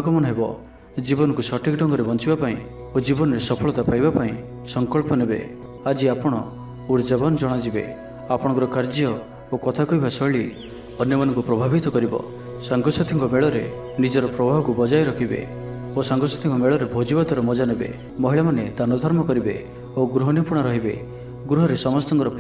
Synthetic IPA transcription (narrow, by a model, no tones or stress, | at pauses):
kɔmɔnɔɦebɔ | d͡ʒibɔnɔkusɔʈʰikɖɔŋɡɔɾebɔnt͡ʃibapaĩ | od͡ʒibɔnɔɾesɔpʰɔɭɔt̪apajbapaĩ | sɔŋkɔɭpɔnebḛ | ad͡ʒiapɔɽ̃ɔ̰ | uɾd͡ʒabɔnɔd͡ʒɔɽ̃ad͡ʒibḛ | apɔɽ̃ɔ̃ŋkɔɾɔkaɾd͡ʒɔ | okɔt̪ʰakɔibasɔɭi | ɔnjɔmanɔŋkupɾɔbʱabit̪ɔkɔɾibɔ̰ | sɔŋɡɔsɔt̪ʰiŋkɔmeɭɔɾe | nid͡ʒɔɾɔpɾɔbʱabɔkubɔd͡ʒajɾɔkʰibḛ | osɔŋɡɔsɔ̥t̪ʰiŋkɔmeɭɔɾebʱod͡ʒibat̪ɔɾɔmɔd͡ʒanebḛ | mɔɦiɭamaned̪anɔd̪ʱɔɾmɔkɔɾibḛ | oɡɾuɦɔnipuɽ̃aɾɔɦibḛ | ɡɾuɦɔɾesɔmɔst̪ɔŋkɔɾɔp